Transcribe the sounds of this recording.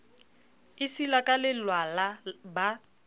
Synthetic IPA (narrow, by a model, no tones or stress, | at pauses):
ɪsilakʼalɪlwalaba